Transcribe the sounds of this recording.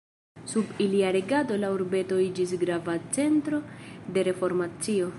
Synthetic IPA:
subiliaɾeɡado̞lauɾbe̞to̞id͡ʒis̬ɡɾavat͡se̞ntɾo̞de̞ɾe̞fo̞ɾmat͡sio̞

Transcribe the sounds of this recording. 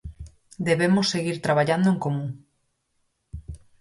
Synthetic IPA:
d̪eβemosːeɣiɾt̪ɾaβaʎand̪oẽŋkomũŋ

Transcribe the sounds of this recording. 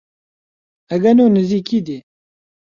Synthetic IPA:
ɐɡɐnoːnɨziːkiːd̪eː

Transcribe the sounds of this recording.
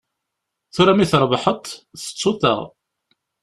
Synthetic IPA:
θuɾæmiθɾˤvəħət̪ˤθə̥t͡sˤːʊθə̰ʁ

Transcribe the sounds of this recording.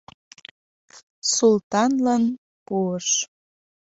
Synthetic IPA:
sult̪ɑnlən | puəʃ

